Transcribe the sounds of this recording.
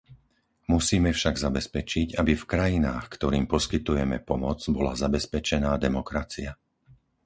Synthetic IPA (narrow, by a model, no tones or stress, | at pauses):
musiːmɛfʃaɡzabɛspɛt͡ʃiɟabifkɾajinaːxkt̪ɔɾiːmpɔskit̪ujɛmɛ̰pɔmɔd͡zbɔla̰zabɛspɛt͡ʃɛnaːd̪ɛmɔkɾat͡sia